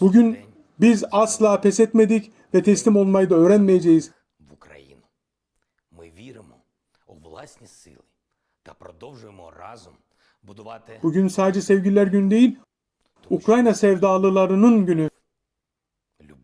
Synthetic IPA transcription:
buɟyn | bizaslˠaːpʰɛsɛt̪me̞d̪ic | vɛt̪ʰɛslʲimo̞lˠmajɯd̪aø̞ːɾænmejed͡ʒejiz̥ | vukɾ̰jḭnʊ | mɪvʲiɾɪmɔ | uvlˠa̰sʲnʲisɪ̰lˠɪ | t̪ɐpɾɔd̪ɔwʒʊjɪmɔ̰ra̰zum | bʊd̪ʊat̪b̥uɟynsaːd̪ed͡ʒɛsɛvɟilʲlʲæɾɟynyd̪e̞jilʲ | ukɾajnasɛvd̪aːlˠɯlˠaɾɯnɯnɟyny

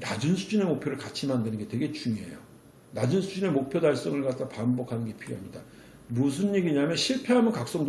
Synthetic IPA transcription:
nad͡ʑunsʰud͡ʑine̞mok̚pʰjoɾɯɭkat͡ɕʰimandenɯnɡe̞twe̞ɡe̞t͡ɕuŋoɦḛjo̰ | nad͡ʑunsʰud͡ʑine̞mok̚pʰjodaɭs͈ʌŋɯɭkat̚t͈apambʌkʰanɯnɡe̞pʰiɾjoɦamɲida | mus̬ʰunːeɡiɲamjʌnɕʰiɭpʰe̞ɦamjʌnkak̚s͈ʌŋd

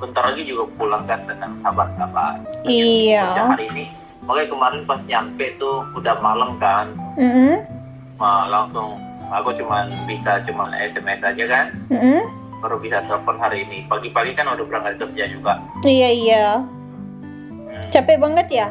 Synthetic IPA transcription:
bənt̪arlaɡid͡ʒuɡapulaŋkant̪əŋansabarsaba̰riaahaɾiːni | makajkəmaɾɪnpasɲampɛʔt̪uudahmalamkanm̩m̩ | malaŋsʊŋ | akot͡ʃumanbisat͡ʃumanɛ̰sɛmɛsad͡ʒakanm̩m̩ | kaɾubisat̪əlfɔnɦaɾiːnipaɡipaɡikanudahbəɾaŋadkərd͡ʒad͡ʒuɡaʔ | ijaija | t͡ʃapɛʔbaŋət̪̚ja

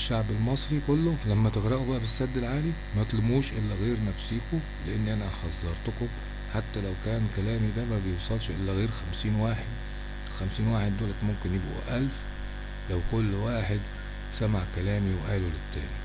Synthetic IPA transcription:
ʃːaʕbɪlmɑsˤɾikʊlːʊlæmːæt̪ɪɣɾɑʔubæʔæbɪsːæd̪ːɪlʕaːli | mæt̪lʊmuːʃʔɪlːæɣeːɾnæfsiːkʊ | lɪʔɪnːiʔænæħɑzˤːɑɾˤt̪ʊkʊm | ħat̪ːælæwkæːnkælæːmid̪æmæbejewsˤɑlʃʔɪlːæɣeːɾxæmsiːnwaːħed̪ | lxæmsiːnwaːħed̪ːoːlæt̪mʊmkɪnjɪbʔṵʔælf | læwkʊlːwaːħed̪ | sæmaʕkælæːmiwʔæːlulɪt̪ːæ̰ːni

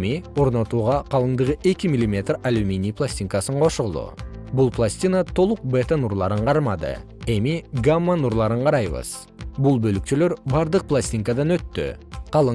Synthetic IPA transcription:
miwo̞ɾnɑt̪uʁɑqʰɑlˠəɴd̪əʁəʔe̞kʲɪmilʲˠime̞t̪ralʲumʲinijplˠasʲt̪ʲiŋkɑsəɴqʰo̞ʃəʁəlˠə̰bʊlˠplˠasʲt̪ʲinat̪ʰo̞lˠəq̚bet̪anuɾlˠɑɾəɴqʰɑɾmɑd̪ə̰ | emiɡamːanuɾlˠɑɾəɴqʰɑɾɑjbə̰z̥ | bʊlˠbɵlɪk̚t̪eleɾbɑɾd̪əq̚plˠasʲt̪ʲiŋkad̪ɑnwɵt̪ːɪ̰qʰɑlˠə

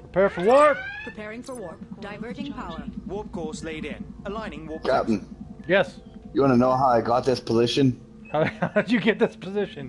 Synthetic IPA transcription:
pʰɹ̥əpʰɛɹfə˞wɔɹp̚pʰɨpʰɛɹɪ̃ŋfəwɔd̥aɪvɜd͡ʒɪ̃pʰawɔɹp̚kʰɔɹsleɪɾɪ̃nəlãɪ̃nɪ̃ŋwɔkʰæp̚n̩jɛs | jəwɑnənoʊɦaʊaɪɡɑt̪̚ðɪspʰəzɪʃɨ̃n | haʊadɨjɨɡɛt̪̚ðɪspʰəzɪʃɨ̃n

